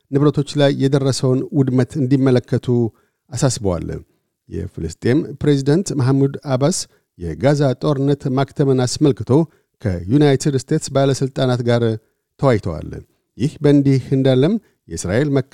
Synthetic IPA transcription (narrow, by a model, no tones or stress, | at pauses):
nɨβɾət̪ʰo̞t͡ʃːlajːɛd̪ərːəsəwnwʊd̪mət̪ʰɨnd̪imːələkːət̪ʰu | asasbəwa̰l | jɛ̰fɨlɨst̪ʼe̞mpɾe̞zid̪ənt̪maɦmud̪abas | jɛ̰ɡazat̪ʼo̞ɾɨnːət̪mak̚t̪ʰəmənasməlkɨt̪ʰo̞ | kʰə̰junajt̪ʰɨd̪st̪ʰe̞t̪sbaləsɨlt̪ʼanat̪ɡaɾ | t̪ʰəwajt̪ʰəwa̰l | jɪhbəɨnd̪ihɨnd̪alːəm | jɛsɾa̰ʔe̞lmə